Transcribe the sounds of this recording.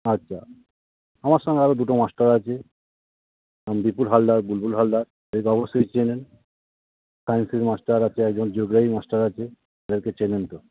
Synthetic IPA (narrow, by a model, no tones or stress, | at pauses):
atːɕʰa̰ | amaɾʃɔŋɡeaɾod̪uʈomasʈaɾat͡ɕʰe | ambipulɦalɖaɾbulbulɦalːaɾ | oɾekɔbosojt͡ɕenen | sajnsiɾmasʈaɾat͡ɕʰeɛk̚d͡ʑond͡ʑoɡɾaɦimasʈaɾat͡ɕʰe | ad̪eɾket͡ɕenent̪o